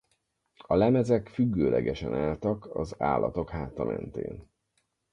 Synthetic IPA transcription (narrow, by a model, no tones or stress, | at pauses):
ɒlɛmɛzɛkfyɡːøːlʔɛɡɛʃɛnaːlt̪ɒkɒzaːlːʔɒt̪o̞khaːt̪ɒmʔɛnt̪ḛːn